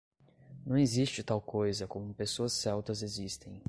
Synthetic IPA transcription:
nɐ̃w̃ezist͡ʃɪt̪awkojzɐkõmʊpesoɐsːɛwt̪ɐzezist̪ẽj̃

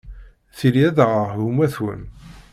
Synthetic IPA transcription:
θiliæðʁəɦumæθwə̰n

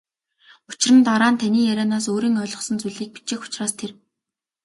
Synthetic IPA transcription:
ʊ̥t͡ɕɪ̆rə̆nt̪aɾaːnt̪ʰaniːjæɾʲaːnaːsoːɾiːŋœːɮʁɞ̆χsə̆nt͡suɮiːk̚pi̥t͡ɕeːxʊ̥t͡ɕraːst̪ʰer

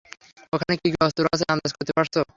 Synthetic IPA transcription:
okʰanekiɡɔst̪uɾasʰeand̪aʃkoɾt̪epaɾso

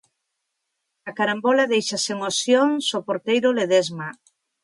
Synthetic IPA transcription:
ɐkaɾambolaðejʃaseŋosjoŋsopoɾt̪ejɾoleðezma

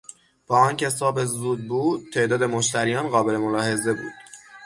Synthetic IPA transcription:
b̥ɒːɒːncʰe̞sɒːbezuːd̪̚buːd̪̚t̪ʰːe̞ʔd̪ɒːd̪e̞moʃt̪æɾijɒːnɢɒːbe̞le̞molɒːhe̞ze̞bṵːd̪̥

